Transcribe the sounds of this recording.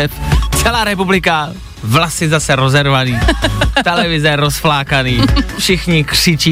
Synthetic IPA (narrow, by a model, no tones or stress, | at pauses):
ɛt̪t͡sɛlaːɾɛp̬ublɪka | vlasɪzasɛɾozɛɾvaniːtt̪ɛlɛvɪzɛɾosflaːkaniːfʃɪxɲɪkr̝̥ɪt͡ʃiː